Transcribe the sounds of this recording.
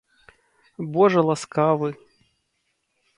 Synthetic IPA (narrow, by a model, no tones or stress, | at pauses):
bɔʐɐlˠaskavɨ